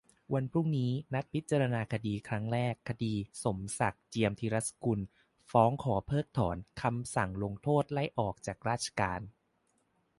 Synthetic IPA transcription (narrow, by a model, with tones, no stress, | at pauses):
wa˧npʰɾu˥˩ŋniː˦˥na˦˥t̪̚pʰi˦˥t̪̚ːt͡ɕa˧ɾa˧naː˧kʰa˧diː˧kʰɾa˦˥ŋɾɛː˥˩kʰːa˧diː˧so˩˦msa˨˩k̚t͡ɕi˧əmt̪ʰiː˧ɾa˦˥t̪sku˧n | fɔː˦˥ŋkʰɔː˩˦pʰɤː˥˩k̚t̪ʰɔː˩˦nkʰa˧msa˨˩ŋlo˧ŋt̪ʰoː˥˩t̪̚la˥˩jʔɔː˨˩k̚t͡ɕaː˨˩k̚ɾaː˥˩t͡ɕʰḁ˧kaː˧n